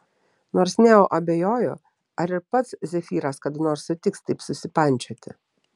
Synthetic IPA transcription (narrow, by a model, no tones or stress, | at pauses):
noːɾsnʲɛoːʔɐbʲejoːjʊ̰ | ɐɾɪɾpɐt̪szʲɛfʲiːɾɐskɐt̪noːɾsʊt̪ʲɪkst̪ɐɪpsʊsʲɪpɐnʲt͡ʃʲoːt̪ʲɪ̰